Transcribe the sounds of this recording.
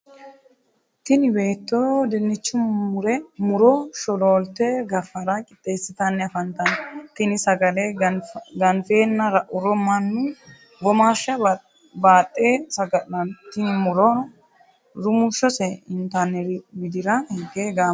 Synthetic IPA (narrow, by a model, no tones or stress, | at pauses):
t̪ɪnɪbe̞ːt̪ːod̪ɛnːɪt͡ʃːʊmʊɾɛmʊɾɔʃɔloːlt̪ːɛɡɐfːɐɾɐkʼɪt̪ʼːe̞ːsːɪt̪ɐnːɛɐfɐnt̪ɐnt̪ɪnɪsɐɡɐlɛɡɐnfeːnːɐɾɐʔʊɾɔmːanːɛ | ɡɔmaːʃːɐ | baːt̪ʼːeːsɐɡɐɐnt̪ːɪnɪmʊɾon | ɾʊmʊʃːɔsɛɪnt̪anːɛɾɪbɪd̪ɪɾɐhɛɡeːɡaː